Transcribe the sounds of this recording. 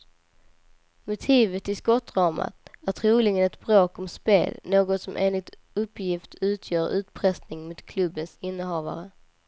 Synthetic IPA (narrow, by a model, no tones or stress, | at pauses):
mʊt̪ʰiːvət̪ɪskɔt̪ːɾɑːma̰t̪æʈ̪ʰɾuːlɪɡənɛt̪bɾoːkɔmspḛːlnoːɡɔt̪sɔmʔḛːnlɪɡ̚t̪ | ɵpːjɪft̪ʰʉ̟ːt̪ʰjœːɾʉ̟ːt̪pʰɾɛsnɪŋmud̪̥kʰlɵbːənsɪnːəɦɑːva̰ɾə